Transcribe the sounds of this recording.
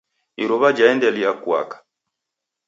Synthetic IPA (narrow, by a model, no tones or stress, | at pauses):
iɾɔβad͡ʒaɛndɛliakwa̰kḁ